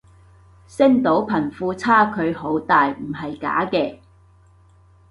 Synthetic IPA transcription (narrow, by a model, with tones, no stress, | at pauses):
sɪ˥ŋt̪o˨˥wpʰɐ˨˩nfuː˧t͡sʰaː˥kʰɵ˨˧ɥho˨˥wt̪aː˨jm̩˨˩hɐ˨jka̰ː˨˥kɛː˧